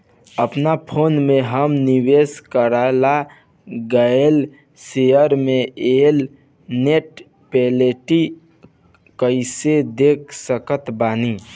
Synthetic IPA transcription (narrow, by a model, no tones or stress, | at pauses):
əpnapʰoːnmẽɦəmniweːskəɾala | ɡəel | sejəɾmẽeːl | neʈ̚ | peːleʈi | kəɪsed̪ek̚ʰsəkət̪baːni